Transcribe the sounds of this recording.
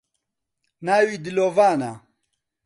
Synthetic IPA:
naːwid̪ilovaːna̰

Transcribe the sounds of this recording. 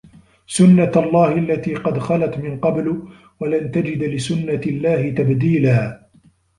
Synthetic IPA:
sʊnːaalˤːɑːhʔalːat̪iːqɑd̪xɑlat̪mɪnqɑbl | walant̪ad͡ʒɪd̪lɪsʊnːalːaːhɪt̪abd̪iːlaː

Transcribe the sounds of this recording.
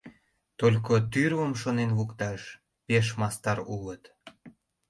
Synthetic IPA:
t̪olʲkot̪yrwəmʃonenβukt̪ɑʃ | peʃ̬mɑst̪ɑɾulət̪

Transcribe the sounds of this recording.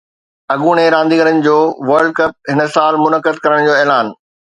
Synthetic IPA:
ɐɠuːɽ̃eɾãːnd̪iːɡəɾənɪ̆d͡ʑoːʋɐɾɖ̚kɐp̚ɦɪnə̆saːlmʊnəkəd̪kɐɾəɽ̃d͡ʑoːɛːlaːn

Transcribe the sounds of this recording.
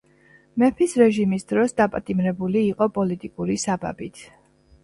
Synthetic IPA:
mɛpʰisɾɛʒimisd̪ɾɔsd̪apʼat̪ʼimɾɛbuliːqʼɔpʼɔlit̪ʼikʼuɾisaba̰bit̪ʰ

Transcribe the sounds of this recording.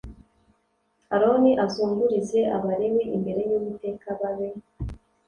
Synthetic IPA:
aɾo̞niʔazuːŋɡuɾize̞ʔaβaɾeweʔimbe̞ɾe̞jumute̞kaβaβe

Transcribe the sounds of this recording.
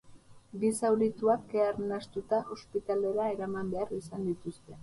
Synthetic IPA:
ɡisawɾit̪uakeaɾnast̪ut̪aʔo̞spit̪ale̞ɾae̞ɾamambe̞arisand̪it̪ust̪e̞

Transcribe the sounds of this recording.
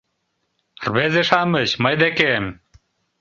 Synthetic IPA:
rβezeʂɑməɕməjd̪ekem

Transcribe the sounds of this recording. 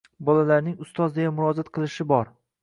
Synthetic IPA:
bɒlalaɾnɪŋʊst̪ɒzd̪ejanmʊɾɒzat̪qʰɨlˠɪʃɪbɒɾ

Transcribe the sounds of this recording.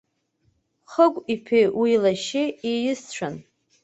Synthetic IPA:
χəkʷʼipʰiwilaʃɪijɪst͡ɕʷʰan

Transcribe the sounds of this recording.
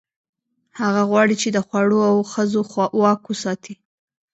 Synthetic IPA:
haɣaɣwɑɽit͡ʃed̪əxwaɽoawxəzowɑkwəsɑt̪ʰi

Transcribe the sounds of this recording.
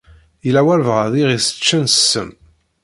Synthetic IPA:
jəlæwælvʁəðˤiʁisə̥t͡ʃːənsəm

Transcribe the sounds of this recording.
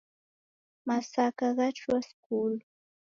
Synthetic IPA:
masakɑɢɑʈ͡ʂwaskuːl

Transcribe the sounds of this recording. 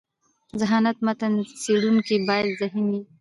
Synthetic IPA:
zaɦɑnat̪mat̪anseɽunkibɑjad̪zaɦimi

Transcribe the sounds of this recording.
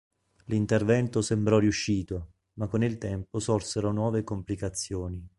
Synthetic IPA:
lint̪ervɛnt̪osembɾɔriuʃːiːt̪o | makːonilt̪ɛmposɔrseɾonwɔːvekomplikat̪sːjoːni

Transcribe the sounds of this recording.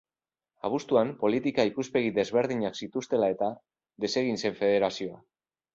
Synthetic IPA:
aβ̞ust̪uampo̞lit̪ikaikuspe̞ɣiðe̞zβe̞ɾð̞iɲaksit̪ust̪e̞lae̞t̪a | ðe̞se̞ɣ̞inse̞ɱfe̞ð̞e̞ɾasio̞a

